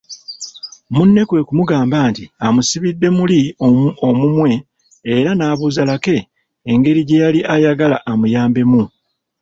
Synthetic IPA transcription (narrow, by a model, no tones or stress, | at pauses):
munːe̞kwe̞ːkumuɡaːmbaːntiamusiβidːe̞muliomumwe̞ː | ɾanaːβuzalake̞ː | ŋɡe̞ɾiɟe̞jaliʔajaɡalaʔːmujaːmbe̞mu